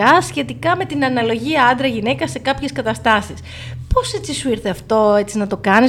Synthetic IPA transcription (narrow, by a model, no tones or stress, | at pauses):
ɐsçe̞t̪ikɐme̞t̪inɐnɐlo̞ʝiɐɐnd̪ɾɐʝine̞kɐse̞kɐpçe̞skɐt̪ɐst̪ɐsis | po̞se̞t͡sisuiɾθe̞ɐft̪o̞e̞t͡sinɐt̪o̞kɐni